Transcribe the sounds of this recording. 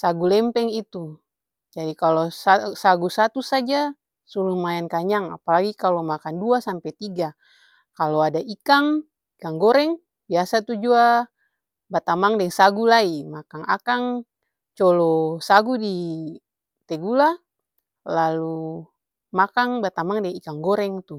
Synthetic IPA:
saɡulɛmpɛŋit̪u | d͡ʒadikalɔsasaɡusat̪usad͡ʒa | sulumajankaɲaŋa̰palaɡikalomakanduasampɛt̪iɡa | kaloadaikaŋ | ikaŋɡɔɾɛŋ | biasat̪ud͡ʒua | bat̪amaŋdɛŋsaɡulaimakaŋakaŋ | t͡ʃɔlɔsaɡudi | t̪ɛɡula | lalu | makaŋbat̪amaŋdɛŋikaŋɡɔɾɛŋt̪u

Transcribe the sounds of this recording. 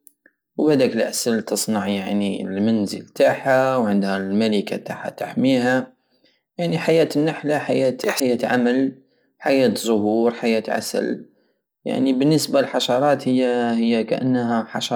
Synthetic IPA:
wbad̪akəlʔasalt̪ɨsˤnɑʕjaʕnilmanzə̰lt̪aʕħawʕɪnd̪halmalika̰t̪aːħa̰t̪aħmiːha | jaʕniħajæːt̪nːaħlaħajaːt̪ħajaːt̪ʕamal | ħajaːt̪zʊhuːɾħajaːt̪ʕa̰sə̰l | ja̰ʕnibɪnːəsbalħɑʃɑɾˤɑːt̪hɪjːahɪjːakaʔa̰nːɦaħɑʃɑ

